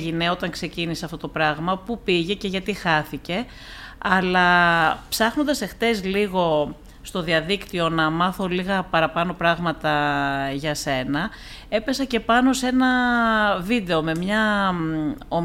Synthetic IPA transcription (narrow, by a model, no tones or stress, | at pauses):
ʝine̞o̞t̪ɐŋkse̞ciniseɐft̪o̞t̪o̞pɾɐɣmɐpupiʝe̞ce̞ʝɐt̪ixɐθice̞ | ɐlɐpsɐxno̞nd̪ɐse̞xt̪e̞zliɣo̞ | st̪o̞ðiɐðikt̪io̞nɐmɐθo̞liɣɐpɐɾɐpɐno̞pɾɐɣmɐt̪ɐʝɐse̞nɐ | e̞pe̞sɐce̞pɐno̞se̞nɐ | vid̪e̞o̞me̞mɲɐ | o